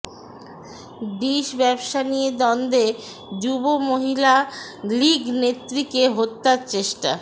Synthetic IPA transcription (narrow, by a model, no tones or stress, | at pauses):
ɖiʃbɛbʃanijed̪ɔnd̪e | d͡ʑubomoɦila | liɡnet̪ːɾikeɦot̪ːaɾt͡ɕeʃʈa̰